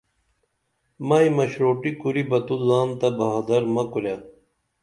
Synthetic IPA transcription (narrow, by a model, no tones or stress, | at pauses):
mɐimɐɕɾoːʈikuɾibɐt̪uzaːnt̪ɐbɐɦad̪ɐɾmɐkulja